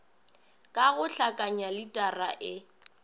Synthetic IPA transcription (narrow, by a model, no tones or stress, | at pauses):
kʼaɣʊɬakʼaɲalɪtʼaraʔɪ